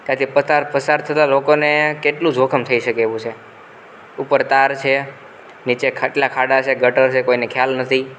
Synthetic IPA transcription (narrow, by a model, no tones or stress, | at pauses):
t̪jãt̪ʰipəaɾpəsaɾt̪ʰət̪alokonekeʈlũd͡ʒʱokʰəmt̪ʰəiʃəkeʋũt͡ʃʰe | upəɾt̪aɾt͡ʃʰe | nit͡ʃekʰəʈlakʰaɽat͡ʃʰeɡəʈəɾt͡ʃʰekoinekʰjalnət̪ʰi